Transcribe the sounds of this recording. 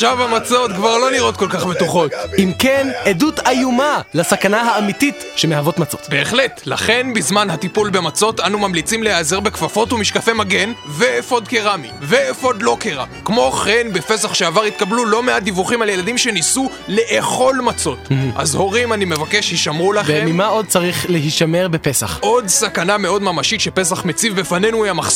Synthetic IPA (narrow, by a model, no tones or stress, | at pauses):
ʃavamat͡so̞t̪kvaʁlo̞niʁo̞t̪̚ko̞lkaχbet̪uχo̞t̪imkenedut̪ajumalasakanahaːmitit | ʃemehavo̞tmat͡sot̪be̞ːχle̞t̪la̰χe̞nbizmanhat̪ipulbe̞mat͡so̞tanumamlit͡simlehaziʁbekvafo̞tumiʃkafemaɡe̞nveːfo̞d̪̚keʁamive̞ːfo̞d̪lo̞keʁa̰ | kmo̞χe̞nbe̞fe̞saχʃeavaʁit̪̚kablulo̞meadivuχimalje̞ladimʃe̞nisu | le̞ʔeχo̞lmat͡so̞tʔa̰zho̞ʁimanime̞vake̞ʃhiʃamʁulaχemimao̞d̪̚t͡saʁiχleɦiʃame̞ʁbepe̞sa̰χʔo̞dsakaname̞o̞d̪mamaʃit̪ʃepe̞s̬aχme̞t͡sivbefane̞nuiamaχs